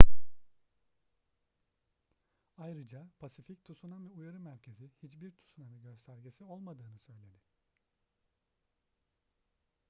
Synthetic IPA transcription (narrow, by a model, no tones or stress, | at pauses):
ajɾɯd͡ʒapʰasific̚t̪ʰusunavɛujaɾɯmæɾcʰe̞zihit͡ʃbiɾt̪ʰu̥sunavɛɟø̞st̪ʰæɾɟesio̞lˠmad̪ɯːnɯsø̞jlʲe̞d̪ɪ